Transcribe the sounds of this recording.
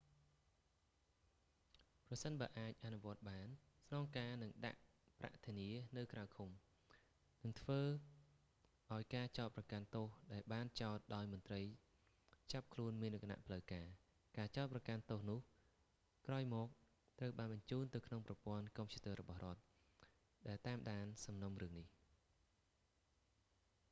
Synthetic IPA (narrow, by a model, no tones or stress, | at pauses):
prɑsənɓaːəʔaːc̚ʔanuʋŏət̪̚ɓaːnsnɑːŋkaːnɨŋɗa̰ʔ | pra̰ʔt̪ʰiəniənɨwkrawkʰum | nɨŋt̪ʰʋəː | ʔaɔjkaːt͡ɕaɔt̪̚prɑkant̪oːhɗaɛlɓaːnt͡ɕaɔt̪̚ɗaɔjmʊ̆ənt̪rəj | t͡ɕap̚kʰluənmiənʔokʰːana̰ʔpʰləwkaː | kaːt͡ɕaɔt̪̚prɑkant̪oːhnʊ̆əh | kraɔjmɔːk̚ | t̪rəwɓaːnɓɑɲt͡ɕuːnt̪ɨwkʰnoŋprɑpŏənkoːmt͡ɕut̪ɔːrɔɓɑhrŏət̪̚ | ɗaɛlt̪aːmɗaːnsɑmnomrɨəŋnih